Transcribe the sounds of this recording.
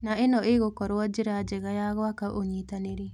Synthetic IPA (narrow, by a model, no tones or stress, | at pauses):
naenɔeɣokɔɾwad͡ʒeɾad͡ʒɛɣajaɣɔakaʔoɲitaneɾe